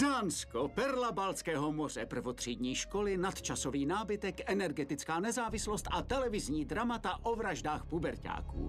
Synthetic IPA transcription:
daːnskopɛɾlabalt͡skɛːɦomor̝ɛ̰pr̩vot̪r̝̥iːd̪ɲiːʃko̞lɪnat̪t͡ʃaso̞viːnaːbɪt̪ɛkʔɛnɛɾɡɛt̪ɪt͡skaːnɛzaːvɪslost̪ʔat̪ɛlɛvɪzɲiːd̪ɾamat̪aʔovɾaʒdaːxpubɛɾca̰ːkṵː

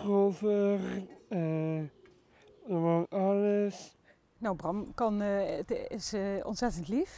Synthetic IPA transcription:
rovərə | mɔnʔɑləs | nawbrɑmkɑntɪsɔ̰ntsɛtəntlif

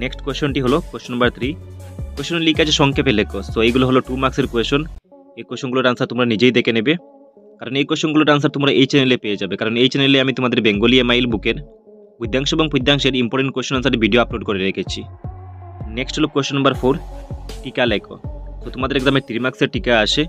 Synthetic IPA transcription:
neksʈkweʃonʈiɦolokwesʃonːambaɾt̪ʰɾikoeʃonlikad͡ʑʰeʃɔŋkʰepelekosoejɡuloɦoloʈumaɾkseɾkoeʃon | ejkeʃonɡuloɾansaɾt̪omɾanid͡ʑejd̪ekenebe | kaɾonejkweʃonɡuloɾans̬aɾt̪omɾaʔejt͡ɕɛnelepeed͡ʑabekaɾonejt͡ɕɛneleamit̪omad̪eɾbeŋɡoliemajlbukeɾ | pujd̪ʱːaŋʃoeboŋpujd̪ʱːaŋʃeɾimpoɾʈeɳʈkeʃonans̬aɾʈibʱiɖioaploɖkoɾeɾekʰet͡ɕʰi | neksʈɦolokweʃonːambaɾfoɾʈikalekʰo̰sot̪omad̪eɾɛɡzameɾt̪ɾimakseɾʈikaaʃe

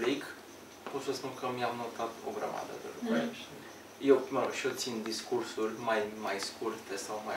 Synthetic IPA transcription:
lik | pot̪səspunkəmiamnot̪at̪o̰ɡɾa̰ma̰d̪ə̰d̪ḛlukue | jewməɾoɡʃiot̪sind̪iskursurʲmajmajskurt̪esawma

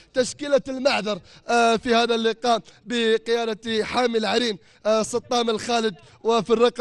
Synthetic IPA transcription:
t̪aʃkɪlalmaħðɑɾˤfihaːðalːɪqɑːʔbɪqɪjaːd̪aħaːmɪlʕaɾiːn | sˤɑt̪ˤːɑːmɪlxaːlɪd̪ | wɪfirˤːɑq

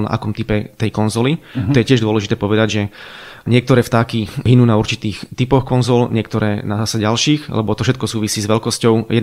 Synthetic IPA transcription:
lna̰ʔa̰kɔmt̪ipɛt̪ɛjkɔnzɔlit̪ɔjɛcɪɛʒd̪ɔlɛʒit̪ɛːpɔʋɛd̪aɟʒɛɲɪɛk̚t̪ɔɾɛːft̪aːkiɦinuːnauɾt͡ʃit̪iːxt̪ipɔxkɔnzɔlɲɪɛkt̪ɔɾɛːnaasaɟalʃiːxlʔɛ̰bɔt̪ɔfʃɛt̪̚kɔsuːʋisiːzʋɛlkɔscɔʊjɛ

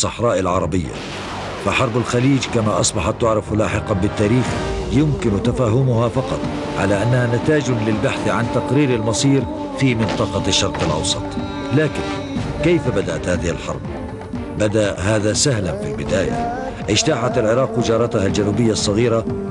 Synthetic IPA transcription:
sˤɑħɾˤɑːʔɪlʕɑɾˤɑbɪjːa̰ | faħɑɾˤbalxaliːd͡ʒkamaʔɑsˤbɑħat̪ːʊʕɾˤɑflaːħɪqɑbɪt̪ːaːɾiːxjʊmkɪnt̪afaːɦʊmʊhafɑqɑt̪ˤ | ʕa̰laʔanːahanat̪aːd͡ʒlɪlbaħθʕant̪aqɾiːɾɪlmɑsˤiːɾ | fiːmɪnt̪ˤɑqɑʃːɑɾˤqɪlʔɑ̰wsˤɑt̪ˤ | laːkɪn | kejfabad̪aʔat̪haːðɪhɪ̰lħɑ̰ɾˤb̚ | bad̪aʔhaːðasahlanfilbɪd̪aːja̰ | ʔɪʃt̪aːħat̪alʕɪɾˤɑːqwɪd͡ʒɑːɾˤɑt̪ahald͡ʒanuːbɪjːasˤːɑɣiːɾa

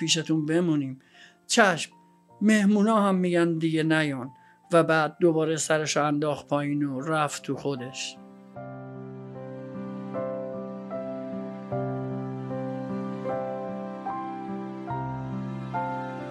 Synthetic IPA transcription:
piːʃ̬et̪ʰunbe̞muniːm | t͡ʃʰæʃm | mehmuːnɒːhæmːiːɟænd̪iɡenæjɒːn | væbæːd̪̚ːo̞bɒːɾesæɾeʃɔænd̪ɒːxpʰɒːjiːnoɾæftt̪ʰuxod̪e̞ʃ

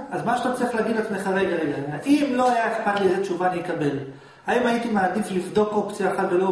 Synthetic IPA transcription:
azmaʃeat̪at͡siχleːɡid̪lat͡ssmeχaʁejɡaʁeɡaaʔimlo̞ajakpaniezet͡ʃuvanikabe̞l | haimait̪imad̪iflifd̪o̞kokt͡siaχatvelo

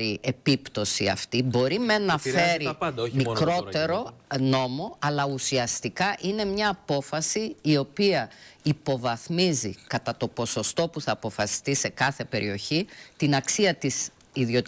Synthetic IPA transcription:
ɾiʔe̞pipt̪o̞siɐ̰ft̪ibo̞ɾimenɐfe̞ɾimikɾo̞t̪e̞ɾo̞no̞mo̞ɐlɐusiɐst̪ikɐʔine̞mɲɐːpo̞fɐsiːo̞piɐipo̞vɐθmizikɐt̪ɐt̪o̞po̞so̞st̪o̞puθɐːpo̞fɐsi̥st̪ise̞kɐθe̞pe̞ɾʔio̞çit̪inɐksiɐt̪is | iðo̞t̪

